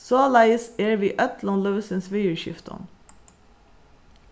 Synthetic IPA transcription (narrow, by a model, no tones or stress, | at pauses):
soːlæɪseːɹʋiːʔœt̪ʰlɑnløːʋəsənsʋeːʉːʃɪ̰ft̪ɔ̰n